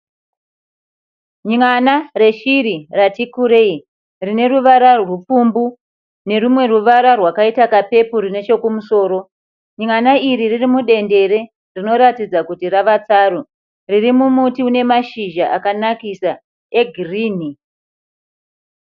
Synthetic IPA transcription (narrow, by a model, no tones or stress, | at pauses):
ɲŋanare̞ʃiɾiratikuɾei | rine̞ruʋaɾarrup͡fumbu | ne̞rumwe̞ruʋaɾarwakaitakape̞purine̞t͡ʃe̞kumuso̞ːɾo̞ | ɲŋanaiɾiririmuɗe̞nde̞ɾe̞ | rino̞ɾatid͡zakutiraʋat͡saɾo | ririmumutiune̞maʃiʒaʔakanakisa | e̞ɡʱiriːni